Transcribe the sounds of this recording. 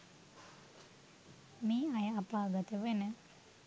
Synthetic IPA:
miːɐjəapaːɡət̪əʋenə

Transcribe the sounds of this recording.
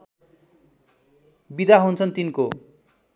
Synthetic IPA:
bid̪aɦunt͡sʰʌnt̪inko

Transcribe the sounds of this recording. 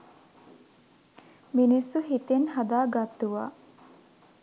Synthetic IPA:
minisːuɦit̪enhad̪aːɡat̪ːuʋa̰ː

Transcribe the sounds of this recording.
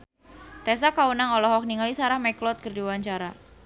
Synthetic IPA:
t̪ɛs̬akaunaŋɔlɔɦɔk̚niŋalisaɾahmɛklɔt̪̚kərdiwaɲt͡ʃaɾa

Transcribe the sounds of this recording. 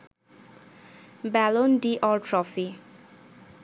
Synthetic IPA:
bælonɖiʔɔɹʈɹɔfi

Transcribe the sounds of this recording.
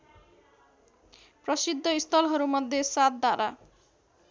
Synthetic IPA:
pɾɔsid̪ʱːɔist̪ʰɔlɦɔɾumɔd̪ʱjesat̪̚d̪aɾa̰

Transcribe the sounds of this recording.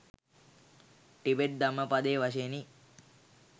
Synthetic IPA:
ʈibeʈ̚d̪aməpad̪eːʋaʃeni

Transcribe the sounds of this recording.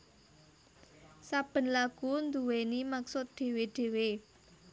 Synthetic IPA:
sab̥ə̤nlaɡ̥und̪uwenimaksʊt̪̚ɖ̪̥e̤weɖ̥e̤we

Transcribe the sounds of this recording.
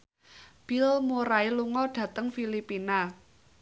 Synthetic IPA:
b̥i̤lmoɾailuŋɔɖ̥ä̤t̪əŋfilipina

